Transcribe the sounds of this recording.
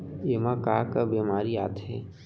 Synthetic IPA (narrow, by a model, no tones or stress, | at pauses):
emakaːkabiːmaːɾia̰ːt̪ɦɛ̰ː